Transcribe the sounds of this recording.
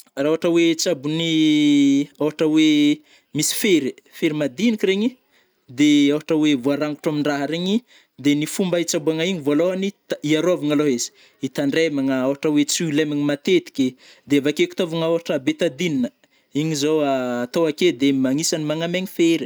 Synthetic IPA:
rauaʈ͡ʂəwet͡sabuni | awɦaʈ͡ʂəwe | misi̥feɾifeɾimad̪inikiɾeɲi | d̪eawɦaʈ͡ʂəwevuaɾaŋɡuʈ͡ʂamiɳɖ͡ʐaɦaɾeɲi | d̪enifumbait͡sabuaŋaiɲivoaloɦanit̪iaɾoavaŋaloɦezi̥ | it̪aɳɖ͡ʐemaŋaawaʈ͡ʂəwet͡sulemiɲimat̪et̪i̥kʲed̪eavakeku̥t̪ovaŋawaʈ͡ʂəbet̪ad̪ininə | iɲizowaːt̪owaked̪emaŋisanimaŋameɲifeɾi

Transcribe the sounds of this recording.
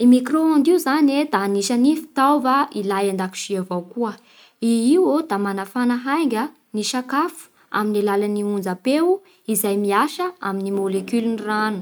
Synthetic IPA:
imikroand̪iuzaned̪aniʃanifi̥t̪awvailajand̪aki̥ʃiavawkuə | iiwod̪amanafanaɦajŋɡʲə | niʃakafu̥ | a̰minilalaniund͡zapewu | izajmiaʃəaminimolekyliniranu̥

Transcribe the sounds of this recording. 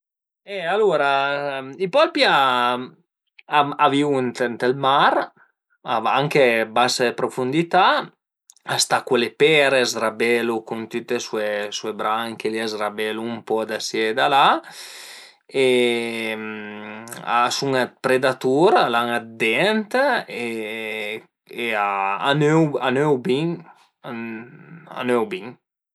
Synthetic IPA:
ɛaluɾaipɔlpja | aaviunt̪ent̪elmaɾ | aa̰ŋkebasaepɾofund̪it̪a | ast̪akwelepɛɾezɾabɛlukunt̪yt̪ːesuesuebɾaŋkeliazɾabɛluːmpɔd̪asjɛd̪ala | e | m | a̰suŋapɾed̪at̪uɾalaŋad̪ɛnt̪e | eaa̰nøwa̰nøwbiŋ | a̰nøwbiŋ

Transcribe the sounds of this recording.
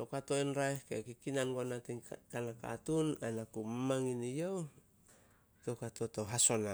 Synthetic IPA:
to̞kato̞enɾaehke̞̰kikinanɡoanatiŋkanaka̰tunanakumamaŋinijow | to̞kato̞to̞ɦaso̞na

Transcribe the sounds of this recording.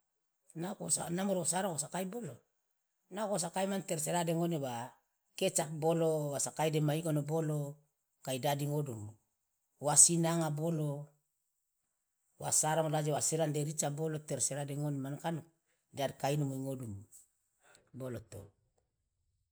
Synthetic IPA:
nakosanamoɾokosaɾokosakajbolo | nakos̬akajmanteɾs̬eɾadeŋonewa | ket͡ʃak̚bolowasakajdemaikonobolo | kaidadiŋodum | wasinaŋabolo | wa̰saɾoŋlad͡ʒewaseɾandeɾit͡ʃaboloteɾseɾadeŋonemankano | dadkainomojŋodum | bolot̪o̰

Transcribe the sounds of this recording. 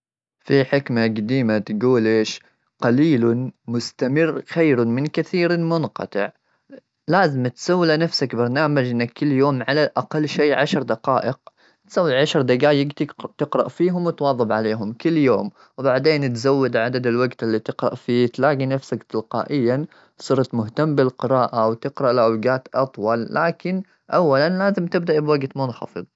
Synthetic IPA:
fiħɪkmaɡad̪iːmat̪ɡuːlʔeːʃ | qɑliːlmʊst̪amɪrːxajɾmɪnkaθiːɾmʊnqɑ̰t̪ˤɪ̰ʕ | laːzɪmt̪sawːlanafsakbɑɾˤnaːmad͡ʒʔɪnːakːʊlːjoːmʕalalʔaqalːʃeːʕaʃɾˤd̪aqɑːʔɪq̚ | t̪sawːlʕaʃɾˤd̪aɡaːjɪɡt̪ɪt̪ɪqɾɑ̰ʔfiːɦʊmwɪt̪wɑːðˤːɑbʕaleːɦʊmkʊlːjoːm | wbaʕd̪eːnt̪zawːɪd̪ʕad̪ad̪alwaɡt̪ɪlːit̪ɪqɾɑ̰ʔfiːt̪laːɡinafsakt̪ɪlqɑ̰ːʔɪjːa | sˤɨɾˤɑt̪mʊht̪amːbɪlqɪɾɑːʔawt̪ɪqɾɑʔlawɡaːt̪ʔɑt̪ˤwɑlːaːkɪn | ʔawːalanlaːzɪmt̪ɪb̚d̪aʔbwaɡt̪mʊnxɑ̰fɨ̰ðˤ

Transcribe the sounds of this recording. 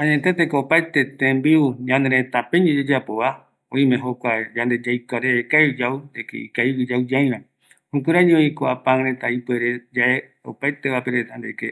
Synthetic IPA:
ãɲet̪et̪ekoopajt̪e̞t̪ẽmbiuɲãnd̪eɾẽt̪apẽɲed͡ʒed͡ʒapoβa | õĩmẽɦokʷad͡ʒãnd̪e̞d͡ʒajkaɾekajɨd͡ʒawnd̪ekḛikaiɨd͡ʒawd͡ʒaj̃ɾã | hũk̬ʷeɾad͡ʒoikoapãŋɾet̪aipweɾed͡ʒaʔe | o̰pajt̪eβapeɾet̪and̪ḛke

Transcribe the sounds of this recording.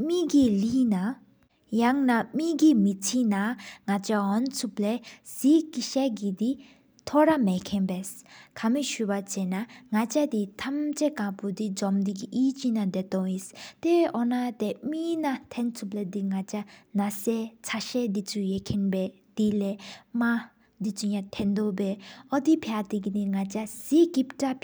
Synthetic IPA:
miɡilina | jaŋnamiɡimit͡sʰinaŋat͡ɕaɦɔnt͡sʰuplɛsikiɕɛɡid̪i | t̪ʰɔɾamɛkʰɛnbɛskʰamiɕupat͡ɕɛnaŋat͡ɕad̪it̪ʰamt͡ɕekãpud̪id͡zɔmd̪iɡiʔit͡ɕinad̪et̪ɔŋjist̪ɛʔɔnat̪ɛminat̪ʰɛnt͡sʰuplɛd̪iŋat͡ʃanasɛt͡sʰaʃɛd̪it͡sujɛkʰɛnbɛ | d̪̥ilɛmã | d̪it͡sujãt̪ʰɛnd̪obɛɔd̪ipʰjat̪iɡid̪iŋat͡ʃasikipʈap

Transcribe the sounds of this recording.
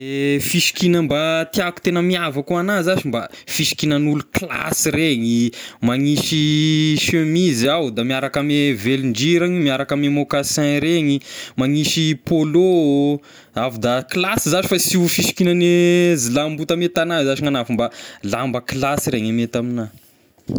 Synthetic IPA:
efiʃi̥kinəmbat̪iaku̥t̪enəmiavakuanazaʃimbafiʃi̥kinənulukla̰siɾeɲimaŋiʃiʃømizawd̪amiaɾakameveliɳd͡ʒiɾaɲimiaɾakamemokasɛ̃ɾeɲimaŋiʃipolo | avud̪aklasizat͡ʃi̥fasifiʃi̥kinənezilambut̪amet̪anazat͡ʃiŋanafumbalambəklasiɾeɲamet̪amina

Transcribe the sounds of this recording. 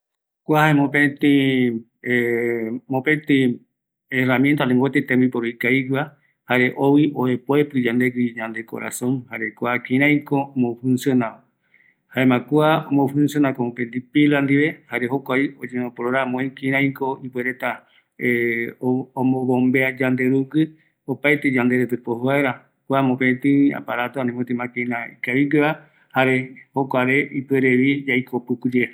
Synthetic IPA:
kʷahaemõpẽnt̪ĩ | e | mopent̪i | eramjent̪alẽŋɡot̪it̪ẽmbipoɾoikajka | haɾeʔowiʔoepoepɨd͡ʒand̪eɡiɲãnd̪e̞ko̰ɾa̰sõŋhaɾekʷakĩɾ̃ãj̃komofũnsjonao | haemãkuaomofunsjonakomopent̪ipiland̪iβehaɾeɦokʷaiod͡ʒenõpoɾoɾamõĩkiɾ̃ãĩkoipweɾet̪a | omõβombead͡ʒand̪eɾuɡɨ | opajt̪ed͡ʒand̪eɾet̪ɨpoɦoaeɾa | kuamõpet̪ɨa̰paɾat̪oanĩmot̪imãkeĩnaikaβiɡeβa | haɾehokʷaɾeʔipueɾeβid͡ʒajkʰopɨkud͡ʒe

